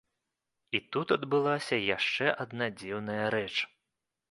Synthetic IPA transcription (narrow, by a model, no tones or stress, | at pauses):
it̪ut̪ɐd̪bɨlˠasʲɐjaʂt͡ʂɛʔɐd̪nad͡zʲiwnɐjɐɾɛt͡ʂ